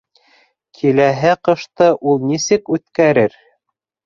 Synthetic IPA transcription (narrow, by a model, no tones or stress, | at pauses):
kʰilæɦɘqɤ̆ʃt̪ɤʔulˠnisɘkʉt̪kæɾɘɾ